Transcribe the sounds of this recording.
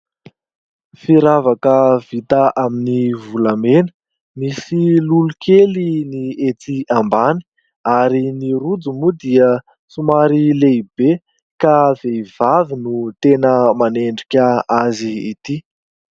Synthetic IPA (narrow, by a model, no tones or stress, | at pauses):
fiɾavakəv̥it̪aʔaminivulamenə̥ | misilulukʰeliniet͡s̪iambani̥ | aɾiniɾud͡zumud̪iə | t͡sumaɾileibe | kav̥eivavinut̪enəmaneɳɖ͡ʐikʲəazḭːt̪i